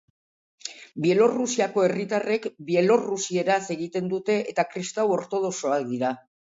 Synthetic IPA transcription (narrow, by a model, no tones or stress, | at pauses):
bie̞lorusiako̞e̞rit̪are̞kbie̞lo̞rusie̞ɾase̞ɣit̪e̞nd̪ut̪e̞ʔːt̪akɾist̪awo̞ɾt̪o̞ð̞o̞so̞akd̪iɾa